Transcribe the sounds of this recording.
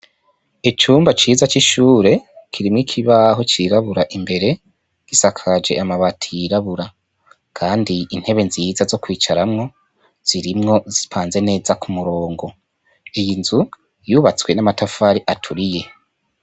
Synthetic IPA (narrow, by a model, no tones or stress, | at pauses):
et͡ʃuːmbat͡ʃiːzat͡ʃiʃuːɾe̞kʰiɾimŋikʰiβaɦo̞t͡ʃiɾaβuɾaʔimbe̞ɾe̞ | ɡ̥isakʰad͡ʒe̞̰amaβatʰijiɾaβuɾa | kʰaːndiin̥he̞βe̞nzizazo̞kwiːt͡ʃaɾamŋo̞ | z̥iɾimŋo̞zi̥pʰaːnze̞ne̞ːzakʰumuɾo̞ːŋɡo̞ | ijinzu | juβat͡swe̞namatafaːɾiʔatʰuɾije̞